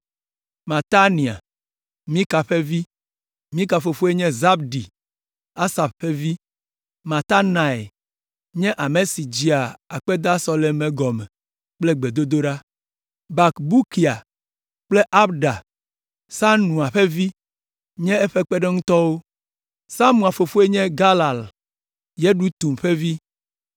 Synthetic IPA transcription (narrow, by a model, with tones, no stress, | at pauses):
mã˨t̪a˦nĩ˨a̰˨ | mĩ˦ka˨ɸe˦vi˦ | mĩ˦ka˨fo˨fo˦e˦ɲɛ̃˦za˦b̚ɖi˨ | a˦sa˨b̚ɸe˦vi˦ | mã˨t̪a˦nã˨e˨ | ɲɛ̃˦ʔa˨me˨si˨d͡ʑi˦a˨a˨k͡pe˦d̪a˦sɔ˦le˨mẽ˨ɡɔ˨mɛ˨ | k͡plɛ˦ɡ͡be˨d̪o˦d̪o˦ɖa˦ | ba˨kbu˦ki˨a˨ | k͡ple˦ʔa˦bɖa˨ | sa˦nũ˨a˨ɸe˦vi˦ | ɲɛ̃˦ɛ˦ɸe˦k͡pe˦ɖe˦ŋũ˦t̪ɔ˦wo˦ | sa˦mũ˨a˨fo˨fo˦e˦ɲɛ̃˦ɡa˦la˨l | je˦ɖu˦t̪u˨mɸe˦vi˦